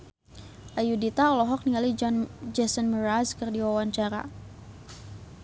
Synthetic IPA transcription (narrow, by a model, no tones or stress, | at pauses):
ʔajudit̪aɔlɔɦɔk̚niŋalid͡ʒɔnd͡ʒɛsənməraskɨrdiwawaɲt͡ʃaɾa̰